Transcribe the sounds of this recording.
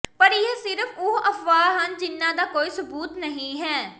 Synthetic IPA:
pəɾɪeːsɪɾəfʊʔəfʋaːɦənd͡ʒɪnːãːd̪aːkoːiːsʊbuːt̪nəɦĩːɦɛː

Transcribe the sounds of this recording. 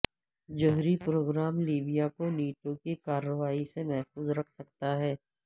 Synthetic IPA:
d͡ʒoɦɾipɾoːɡɾaːmliːbijakoniːʈõkikaːɾəʋaːisemɛɦfuːzɾɐkʰsɐkt̪aɦɛː

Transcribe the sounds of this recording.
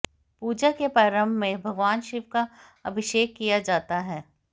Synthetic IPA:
puːd͡ʒakepɾaːɾə̃mbʱmẽbʱɐɡʋaːnʃɪʋka | ɐbʱɪʃeːkːijad͡ʒaːt̪aɦɛː

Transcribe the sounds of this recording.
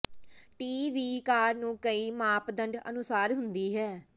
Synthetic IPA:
ʈiːʋiːkaːɾnũːkəiːmaːpd̪əɳɖə̰nʊsaːɾɦʊnd̪iːɦɛː

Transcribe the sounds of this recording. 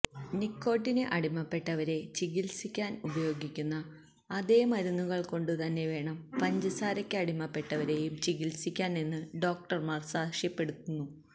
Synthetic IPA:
nikːo̞ːʈːinɨʔɐɽimːɐpːe̞ʈːɐʋɐɾe̞t͡ɕiɣilsikʲːaːnubɐjo̞ːɡikʲːunːɐː | ðe̞ːmɐɾunːuɣɐɭko̞ɳɖɨt̪ɐnːe̞ʋe̞ːɳɐmpɐɲd͡ʑɐsaːɾɐkʲːɨɐɽimːɐpːe̞ʈːɐʋɐɾe̞jumt͡ɕiɣilsikʲːaːnenːɨɖo̞ːk̚ʈɐrmaːrsaːkʂjɐpːe̞ɽut̪ːunːu

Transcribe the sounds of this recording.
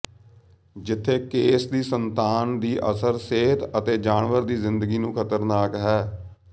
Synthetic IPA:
d͡ʒɪt̪ʰːeːkeːsd̪iːsənt̪aːnd̪iːʔə̰səɾseːt̪ət̪eːd͡ʒaːɳʋəɾd̪iːzɪnd̪əɡiːnũːkʰət̪əɾnaːkɦɛː

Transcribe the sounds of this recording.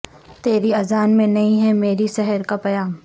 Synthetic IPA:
t̪eːɾiɐzaːnmẽnɐĩɦɛmeːɾisɛɦəɾkapɐjaːm

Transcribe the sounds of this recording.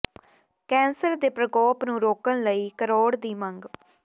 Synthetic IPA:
kɛ̃ːnsəɾd̪eːpɾəkɔːpnũːɾoːkənləiːkəɾoːɽd̪iːməŋɡ

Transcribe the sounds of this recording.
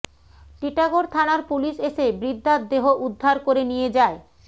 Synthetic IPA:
ʈiʈaɡoɾt̪ʰanaɾpuliʃeʃebɾid̪ʱːat̪̚d̪eɦoʔud̪ʱːaɾkoɾenijed͡ʑae

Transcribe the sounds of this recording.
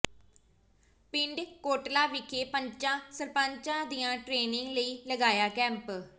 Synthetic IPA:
pɪ̃ɳɖkoːʈlaːʋɪkʰːeːpəɲt͡ʃãːsəɾpə̃ɲt͡ʃãːd̪ijãːʈɾeːnɪ̃ŋɡləiːləɡaːjaːkɛ̃ːmp

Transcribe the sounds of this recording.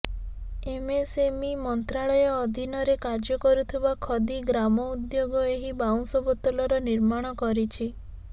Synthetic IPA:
emesemimɔnt̪ɾaɭɔjɔːd̪ʱinɔɾekaɾd͡ʒɔkɔɾut̪ʰibakʰɔd̪iɡɾamɔud̪joɡɔeɦibaw̃sɔbɔt̪ɔlɔɾɔniɾmaɽ̃ɔkɔɾit͡ʃʰi

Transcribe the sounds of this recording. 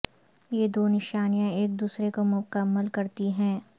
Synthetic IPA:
jeːd̪oːnɪʃaːnijãeːk̚d̪uːsɾekomʊkəmːəlkɐɾt̪iɦɛ̃ː

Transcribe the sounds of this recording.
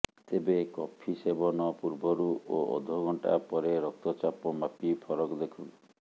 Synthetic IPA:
t̪ebekɔpʰisebɔnɔpuɾbɔɾuoɔ̰d̪ʱɔɡʱɔɳʈa̰pɔɾeɾɔk̚t̪ɔt͡ʃapɔmapipʰɔɾɔkɔd̪ekʰun

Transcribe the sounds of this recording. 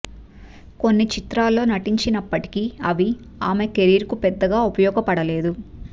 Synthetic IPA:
ko̞nːit͡ʃit̪ɾaːlːo̞ːnɐʈiɲt͡ʃinɐpːɐʈi̥kiɐʋi | aːme̞keɾiːɾkupɛd̪ːɐɡaːupɐjɔːɡɐpɐɽɐle̞ːd̪u

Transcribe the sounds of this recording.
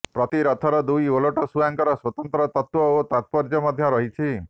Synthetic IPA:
pɾɔt̪iɾɔt̪ʰɔɾɔd̪ujoloʈɔsujaŋkɔɾɔswɔt̪ɔnt̪ɾɔt̪ɔt̪wɔot̪at̪̚pɔɾd͡ʒɔmɔd̪ʱjɔɾɔɦit͡ʃʰi

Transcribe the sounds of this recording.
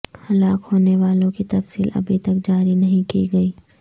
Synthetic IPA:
hɐlaːkhoːneʋaːlõkit̪ɐfsiːlɐ̰bʱit̪ɐk̚d͡ʒaːɾinɐɦĩkiɡɐiː

